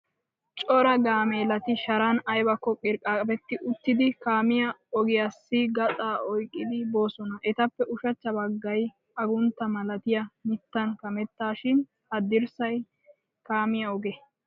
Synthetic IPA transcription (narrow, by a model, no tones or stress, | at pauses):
t͡ʃʼɔɾɐɡaːmeːlɐt̪ɪʃɐɾanɐjbɐkːɔkʼɪɾkʼːaːkʼɐbɛt̪ːɪʔʊt̪ːɪd̪ɪkaːmɪjɐɔɡɪjasːɪɡɐt͡sʼaːɔjkʼːɪd̪ɪbo̞ːsɔnɐʔɛt̪ɐpːɛʔʊʃɐt͡ʃːɐbɐɡːɐj | ɐɡʊnt̪ːɐmɐlɐt̪ɪjɐmɪt̪ːɐnkɐmɛt̪ːaːʃɪn | hɐd̪ɪɾsɐj | kaːmɪjɐɔɡɛ